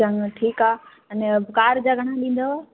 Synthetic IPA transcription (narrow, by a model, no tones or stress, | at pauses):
əŋʈʰiːkaː | ɐnɛkaːɾd͡ʑaːɡʱɐɽ̃aɗĩːnd̪aʋaː